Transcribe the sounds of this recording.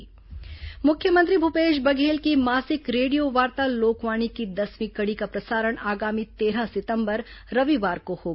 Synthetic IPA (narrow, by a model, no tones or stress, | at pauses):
mʊkʰjəmə̃nt̪̬ɾibʱupeːʃbɐɡʱeːlkimaːsɪkɾeːɖijoʋaːɾt̪aloːkʋaːɽ̃ikid̪ɐsʋĩkɐɽikapɾɐsaːɾəɽ̃aːɡaːmit̪eːɾasɪt̪ə̃mbəɾ | ɾɐʋiʋaːɾkohoː